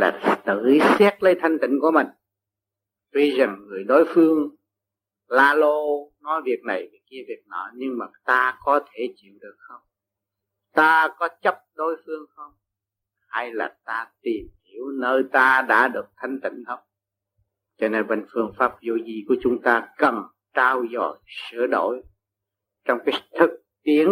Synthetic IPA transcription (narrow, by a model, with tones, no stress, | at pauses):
la̰ː˨˩t̪ɨ̰˧˨˩sɛ˦˥t̚lə˧jt̪ʰa˧jŋ̟t̪ï˧˩˨ŋ̟ku˧˩əmï˨˩ŋ̟ | t̪wi˧za˨˩ŋːɨ˨˩əjɗo˨˦jfɨ˧əŋ | laː˧lo˧nɔ˨˦jvi˨˩ək̚na˨˩jvi˨˩ki˧əvi˨˩ək̚nɔ̰˨˦jɲɨ˧ŋmaː˨˩t̪aː˧kɔ˨˦t̪ʰe˧˩t͡ɕḭ˧˨əwɗɨ˨˩ək̚xə˧wŋ͡m | t̪aː˧kɔ˨˦t͡ɕə˦˥p̚ɗo˨˦jfɨ˧əŋxə˧wŋ͡m | ha˧jla̰ː˨˩t̪aː˧t̪i˨˩mhi˧˩˨əwnəː˧jt̪aː˧ɗa̰ː˧˥ɗɨ˨˩ək̚t̪ʰa˧jŋ̟t̪ḭ˧˩˨ŋ̟h̪ʰə˧wŋ͡m | t͡ɕɔ˧ne˧nɓḛ˧˨˩ŋ̟fɨ˧˩əŋfaː˦˥p̚zo̰˧˨zi˨˩ku˧˩ət͡ɕʊ˨˦ŋ͡mt̪aː˧kə˨˩m | ʈ͡ʂaː˧wzɔ̰˧˩˨jsɨ̰˧˩˨əɗo̰˧˩˨j | t͡ɕɔ˧wŋ͡mkaː˨˦t̪ʰɨ˨˩k̚t̪i˨˦˥əŋ